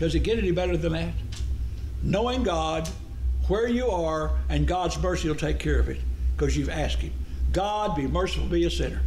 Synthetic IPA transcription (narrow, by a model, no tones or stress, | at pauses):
kʌzɨt̚ɡ̥ɛɾɛnibɛɾə˞ðɨ̃nðɨt̚ | noʊɪ̃ŋɡɑd | wə˞jəə˞ɨ̃nɡɑdzmɜ˞siwlˠtʰeɪkʰɛɹʌvɨ̰t̚kʰʌzjʉvæskɨ̃mɡ̥ɑd̚bimɜ˞səfl̩ˠbiɨsɪ̰̃nə˞